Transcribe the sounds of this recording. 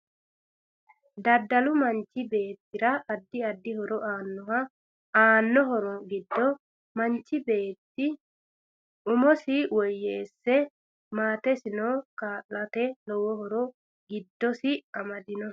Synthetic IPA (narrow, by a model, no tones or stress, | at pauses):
d̪ɐd̪ːɐlʊmɐnt͡ʃːɪbe̞ːt̪ːɪɾɐːd̪ːɪɐd̪ːɪhɔɾɔʔaːnːɔhɐ | aːnːɔɦɔɾɔɡɪd̪ːɔ | mɐnt͡ʃːɪbe̞ːt̪ːɪ | ʊmɔsɪwɔjːeːsːɛ | maːt̪ɛsɪnoːkaːʔlɐt̪ɛlɔwɔhɔɾɔ | ɡɪd̪ːɔsɪɐmɐd̪ɪnɔ